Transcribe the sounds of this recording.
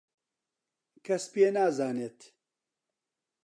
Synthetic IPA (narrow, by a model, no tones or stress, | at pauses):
kʰɐspeːnaːzaːneːt̪